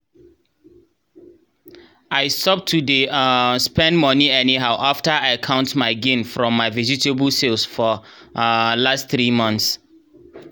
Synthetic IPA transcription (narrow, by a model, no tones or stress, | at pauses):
aɪstɔp̚tʰːudespɛ̃ndmɔniɛniɦaʊʔaftəaɪakʰãʊ̃ntmaɪɡẽnfɹɔ̃mːaɪvizitebəlselsfɔ | lastθɹimɔ̃nθs